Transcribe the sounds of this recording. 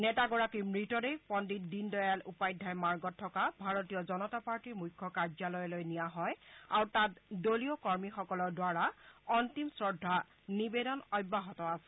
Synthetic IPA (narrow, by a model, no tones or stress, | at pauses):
nɛtaɡɔɹakimɹitɔdejpɔndit̚dindɔjalupajdʱːajmaɹɡɔtʰːɔkabʱaɹotijɔzɔnɔtapaɹtiɹmujkʰːɔkaɹzalɔjlojnijaɦɔjaɹwtatdoliokɔɹmixɔkɔlɔɹdwaɹaɔntimsɹɔdʱːa | nibedɔnɔjbːaɦɔtɔasɛ